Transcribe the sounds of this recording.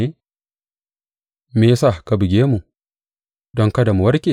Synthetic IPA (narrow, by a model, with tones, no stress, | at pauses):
e˦ | meː˦sa˦˨ka˦bɪ˨ɡʲeː˦mu˨ | dɔ˦ŋka˦da˨mu˨wɐ˦ɾkʲe˨